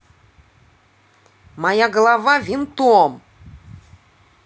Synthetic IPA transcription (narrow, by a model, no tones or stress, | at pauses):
majaɡəlˠavavʲint̪uɔm